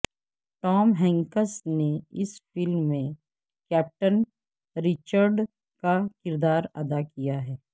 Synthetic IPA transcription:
ʈɔːmɦɛ̃ːŋkəsneɪsfɪlmːẽ | kɛːp̚ʈən | ɾɪt͡ʃəɾɖ | kakɪɾd̪aːɾɐd̪akijaɦɛː

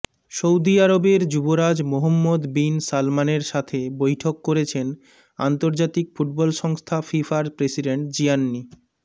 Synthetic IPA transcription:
ʃowd̪iaɾobeɾd͡ʑuboɾad͡ʑmoɦomːod̪binsalmaneɾʃat̪ʰebojʈʰokːoɾet͡ɕʰen | a̰nt̪oɾd͡ʑat̪ikfuʈ̚bɔlʃɔŋst̪ʰafifaɾpɾesiɖeɳʈ̚d͡ʑianːi

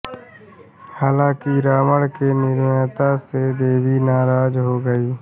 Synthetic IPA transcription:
haːlãːkiɾaːməɽkeːniːɾmeːt̪ãːseːd̪eːʋiːnaːɾaːd͡ʒɦoːɡəiː

